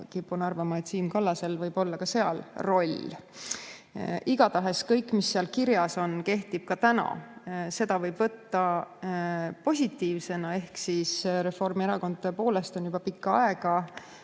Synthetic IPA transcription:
kipːunɑrvɑmɑet̪siːnkɑlːɑse̞lvɤjb̥o̞lːɑkɑse̞ɑlro̞lʲː | iɡ̥ɑt̪ɑɦe̞skɤjkːˑmisːeɑlkiɾjɑso̞nke̞ht̪ib̥̚kɑt̪ænɑ̰se̞d̪̥ɑvɤjb̥vɤt̪ːɑ | po̞sʲit̪ːˑiːvse̞nɑe̞hksisɾe̞fo̞rmieɾɑko̞nd̪t̪epo̞ːle̞st̪o̞njub̥ɑpikːɑɑ̰e̞ɡ̥ɑ

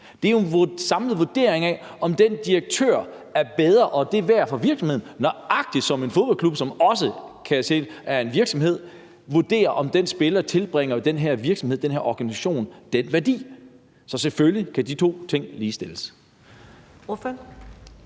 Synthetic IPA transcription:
d̥e̝æensɑ̈mləð̩ˠʋo̝ɐd̥e̝ɐeŋɛʔɒ̽md̥end̥ieɡ̥̚t͡sʰø̰ɐ̰æɐb̥eð̞ˠʁɐʔɒ̽d̥e̝ʋæɐ̰fɒ̽ʋiɐɡ̥sɒmhe̝ð̰ˠn̩nɒʔɑ̈ɡ̥̚d̥i̥sɒ̽me̝nfo̝ð̞ˠb̥ɒ̽lkʰlub̥sɒ̽mɒ̽s̬əkʰæt͡sʰe̝̰læɐe̝nʋiɐɡ̥sɒ̽mɦe̝ð̞̰ˠ | ʋuɐd̥e̝̰ːɐʔɒ̽md̥ensb̥e̝lt͡sʰe̝lb̥ʁeŋ̰ɐd̥enɦæɐ̰ʋiɐɡ̥sɒ̽mheð̰̥ˠenɦæɐ̰ɒɡ̥ænisæɕo̝̰ːnd̥enʋæɐd̥ḭː | sɒ̽seføljikʰæd̥it͡sʰo̝̰ːt͡sʰe̝ŋ̰liːsd̥e̝ləs | f

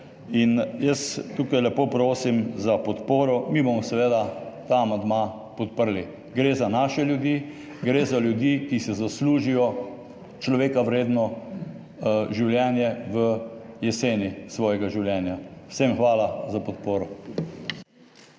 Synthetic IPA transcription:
injəst̪uːkajlɛpoːpɾoːsimzapɔt̪poːɾɔmiːbɔmɔsɛʋeːd̪at̪aːmand̪ma | pɔt̪̚pəɾli | ɡɾeːzanaːʃɛljud̪iː | ɡɾeːzaljud̪jiːkisɛzasluːʒijɔ | t͡ʃlɔʋeːkawɾeːd̪nɔ | ʒiwljɛːnjɛʋə | jɛseːnisʋɔːjɛɡaʒiwljɛːnjawsemxʋaːlazapɔt̪poːɾɔ

